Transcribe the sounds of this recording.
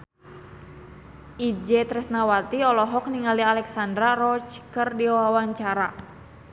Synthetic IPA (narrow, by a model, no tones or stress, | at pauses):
ʔid͡ʒɛt̪ɾɛsnawat̪iɔlɔɦɔk̚niŋalialɛksandɾarɔt͡ʃkərdiawawaɲt͡ʃaɾa